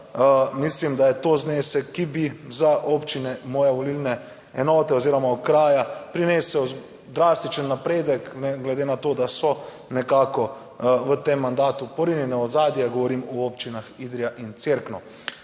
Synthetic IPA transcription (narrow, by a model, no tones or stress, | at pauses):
mislimd̪ajɛt̪ozneːsɛkːibizaʔopt͡ʃinɛmɔːjɛʋɔlilnɛ | ɛnɔːt̪ɛoziːɾɔmaɔkɾaːjapɾinesəw | d̪ɾaːst̪it͡ʃənːapɾeːd̪əknɛɡlɛd̪enat̪oːd̪asɔ | nɛkaːkɔ | ʋət̪emːand̪aːt̪upɔɾinjɛnɛɔzaːd̪jɛɡɔʋɔɾimɔop̚t͡ʃinaxiːd̪ɾijaʔint̪seɾknɔ